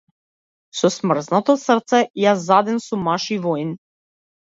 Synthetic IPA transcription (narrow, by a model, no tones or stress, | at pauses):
sɔsmr̩znat̪ɔsrt̪sɛjazːad̪ɛnsumːaʃivɔjn